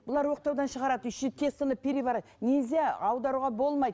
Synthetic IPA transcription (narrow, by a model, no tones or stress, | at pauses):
b̥ʊlˠɑɾwo̞qt̪ɑwd̪ɑnʃəʁɑɾɑd̪əʏʃnt̪ʰe̞st̪ənəpʰʲeɾʲivɑɾɑd̪ənezeɑwd̪ɑɾuʁɑbo̞lˠmɑjd̪